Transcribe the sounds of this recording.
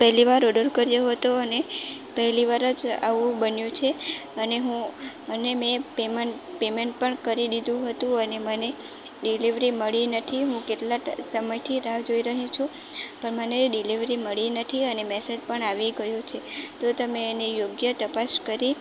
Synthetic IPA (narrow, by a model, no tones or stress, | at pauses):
pɛɦliʋaɾɔɖəɾkəɾjoɦət̪oənepəɦliʋaɾəd͡ʒa̰ʋũbənjũt͡ʃʰeəneɦũ | ənemẽpeməpemeɳʈ̚pəɳkəɾiɗ̪id̪ũɦət̪ũəneməne | ɖiliʋɾiməɭinət̪ʰiɦũkeʈlasəməjt̪ʰiɾaɦd͡ʒoiɾəɦĩt͡ʃʰũ | pəɳməneɖiliʋɾiməɭinət̪ʰiənemɛsed͡ʒpəɳaʋiɡəjot͡ʃʰet̪ot̪əmeːnijoɡjət̪əpaskəɾi